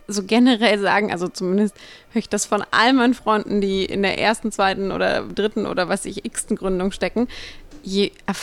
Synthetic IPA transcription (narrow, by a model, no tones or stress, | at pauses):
zoːɡɛnəʁɛlza̰ːɡŋ̩ʔa̰lzot͡sumɪndəsthøːɐɪçd̥asfɔnʔa̰lənmaɪnənfʁ̥ɔʏndn̩diːʔɪ̰ndeːɐʔḛːɐstn̩t͡sv̥aɪtn̩ʔo̰ːdɐ̰dʁɪtn̩ʔo̰ːdɐvaɪsɪçʔɪkstn̩ɡʁʏndʊŋʃtɛkŋ̩jeːʔɛɐf